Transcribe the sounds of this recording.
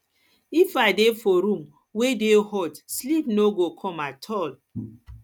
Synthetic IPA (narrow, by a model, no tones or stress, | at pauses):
ifadefoɾũm | wedehɔtslipnoɡokʰɔ̃matʰɔl